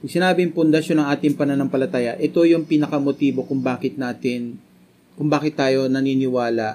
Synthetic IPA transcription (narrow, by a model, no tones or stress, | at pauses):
sɪnaːbɪŋpʊnd̪ɐʃonɐŋʔaːt̪ɪŋpɐnɐnoŋpɐlɐt̪aːjɐʔɛt̪o̞jʊŋpiːnɐkɐmot̪iːbo̞kʊŋbaːkɪt̪̚naːt̪ɪn | kʊŋbaːkɪt̪ːaːjo̞nɐniːnɪwaːlɐʔ